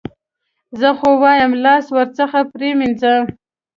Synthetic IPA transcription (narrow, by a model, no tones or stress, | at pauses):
zəxowɑjəmlɑswəɾt͡səxapɾeminzə